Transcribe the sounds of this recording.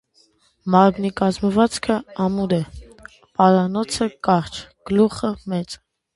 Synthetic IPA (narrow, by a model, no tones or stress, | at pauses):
mɑɾmnikɑzməvɑt͡skʰəɑmuɾɛ | pɑɾɑnɔt͡sʰəkɑɾt͡ʃʰɡ̥əluχəmɛt͡sə